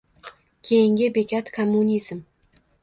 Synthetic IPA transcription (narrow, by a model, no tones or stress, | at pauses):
kʲʰejɪŋɡʲɪbekʲʰat̪kʰomːunʲiz̥m